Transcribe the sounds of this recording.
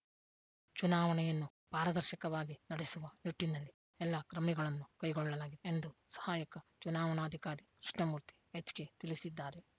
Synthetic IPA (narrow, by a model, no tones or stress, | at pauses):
t͡ʃunaːʋɐnɛjɐnːu | paːɾɐd̪ɐɾʃikɐʋaːɡinɐɽesuʋɐniʈːinɐlːi | ɛlːɐkɾɐmiɡɐɭɐnːukɐjɡɔɭːɐlaːɡid̪eend̪usɐ̥haːjɐkɐt͡ʃunaːʋɐnaːd̪ʱikaːɾikɾiʂɳɐmuːɾt̪i̥et͡ʃːɡe̞t̪ilisid̪ːaːɾe̞